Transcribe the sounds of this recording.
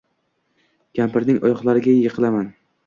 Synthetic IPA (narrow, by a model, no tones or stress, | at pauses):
ɡ̥ʲampɪɾnɪŋɒjɒqlˠaɾɪɡʲajeqʰɨlˠaman